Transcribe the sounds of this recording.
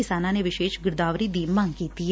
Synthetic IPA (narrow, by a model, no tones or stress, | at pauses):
ɪsaːnãːneːʋɪʃeːʃɡɪɾd̪aːʋɾiːd̪iːmãŋɡkiːt̪i